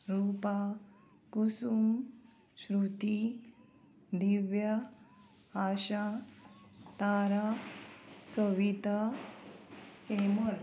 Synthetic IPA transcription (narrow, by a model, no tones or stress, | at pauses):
ɾuːpa | kusum | ɕɾut̪i | d̪iʋjə | aɕa | t̪aɾa | sɔʋit̪a | hemoɾ